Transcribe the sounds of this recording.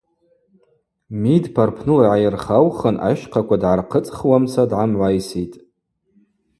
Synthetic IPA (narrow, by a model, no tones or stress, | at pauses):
midpʰarpʰnɨlaʕajɪrχawχənʔa̰ʃqʰakʷadʕarqʰət͡sʼχwamsʰadʕamʕʷajsitʼ